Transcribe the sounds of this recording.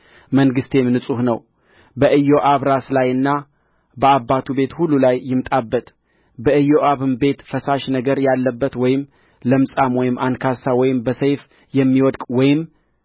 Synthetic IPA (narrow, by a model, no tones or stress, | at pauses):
məŋɡɨst̪ʰe̞mnɨsʼuhnəw | bəʔɨjːo̞ʔaβɾaslajɨnːa | bəabːat̪ʰube̞t̪hulːulajːɪmt̪ʼabːət̪ | bəʔɨjːo̞ʔaβɨmbe̞t̪fəsaʃnəɡəɾjalːəbːət̪wɔjɪm | ləmsʼamwɔjɪmʔankʰasawɔjɪmbəsəjf | jɛmːiwɔd̪kʼwɔjɪm